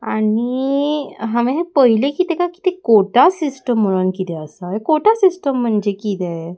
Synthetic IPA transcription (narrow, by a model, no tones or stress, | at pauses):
ani | ɦãʋẽɦepəɦilekit̪ekaki̥t̪ekoʈasisʈəmːəɭənkit̪ɛəsaɦekoʈasisʈəmːəɳd͡ʑekit̪e